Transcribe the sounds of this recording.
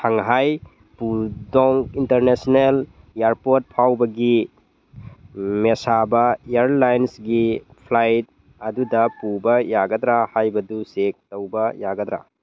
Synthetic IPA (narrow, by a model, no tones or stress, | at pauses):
tʰaŋɦaj | pudɔŋintɐɾnesnel | jaɾpot̚pʰawbɐɡi | mesabɐeaɾlajnsɡipʰlajt̚ | ɐdudɐpubɐjaɡɐd̪ɾahajbɐdusek̚tɐwbɐjaɡɐd̪ɾa̰